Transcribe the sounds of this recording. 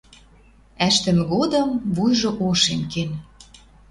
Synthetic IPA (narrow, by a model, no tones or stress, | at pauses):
æʃt̪ə̆nɣod̪ɤ̆mvujʒŏʔoʃemken